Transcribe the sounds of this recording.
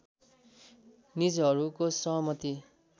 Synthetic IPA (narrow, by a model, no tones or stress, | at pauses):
nid͡zɦʌɾukosʌɦʌmʌt̪i